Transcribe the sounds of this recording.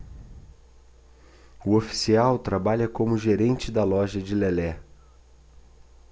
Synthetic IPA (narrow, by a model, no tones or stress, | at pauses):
ʊofi̥siawt̪ɾabaʎɐkõmʊʒeɾẽnt͡ʃɪd̪ɐlɔʒɐd͡ʒɪlɛlɛ